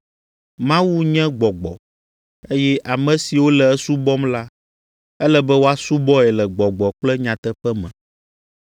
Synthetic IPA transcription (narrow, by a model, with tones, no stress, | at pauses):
mã˦wu˦ɲɛ̃˦ɡ͡bɔ˨ɡ͡bɔ̰˨ | e˦jɛ˦ʔa˨mɛ̃˨si˨wo˦lɛ˨ɛ˦su˦bɔ˦mla˦ | ɛ˦lɛ˦bɛ˦wo˦a˦su˦bɔ˦ɛ˨lɛ˨ɡ͡bɔ˨ɡ͡bɔ˨k͡plɛ˦ɲã˨t̪ɛ˦ɸɛ˦mɛ̰̃˨